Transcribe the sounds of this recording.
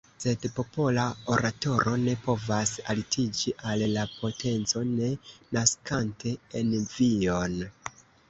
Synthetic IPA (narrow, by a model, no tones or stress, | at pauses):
se̞dpo̞po̞lao̞ɾato̞ɾʔo̞ne̞po̞vasa̰litʰid͡ʒiʔallapʰo̞tʰe̞nt͡so̞ne̞naskantʰe̞envio̞n